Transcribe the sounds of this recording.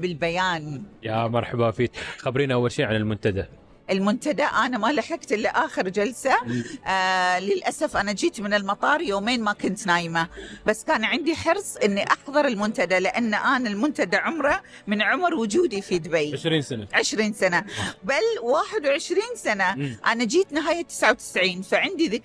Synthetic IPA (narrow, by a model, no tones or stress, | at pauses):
bɪlbajaːnjamɑɾˤħabawfiːt̪xabɾiːnʔawːalʃiːʕanɪlmʊnt̪ad̪a | ʔɪlmʊnt̪ad̪aʔaːnamalaħɪɡ̚t̪ʔɪlːiʔaːxɪɾd͡ʒalsa | lɪlʔasafʔanad͡ʒiːt̪mɪnɪlmɑt̪ˤɑːɾˤjoːmeːnmakʊnt̪naːjmabasːkaːnʕɪnd̪iħɑɾsˤʔɪnːiʔɑqðɑɾˤɪlmʊnt̪ad̪alɪʔanːʔaːnalmʊnt̪ad̪aʕʊmɾˤɑ | mɪnʕʊmɾwʊd͡ʒuːd̪ifid̪bajʃɾiːanaʕɪʃɾiːnsanabalwaːħɪd̪wʕɪʃɾiːnsanaʔanad͡ʒiːt̪nɪɦaːjːat̪ːɪ̥sʕawt̪ɪ̥sʕiːnfaʕɪnd̪iðɪ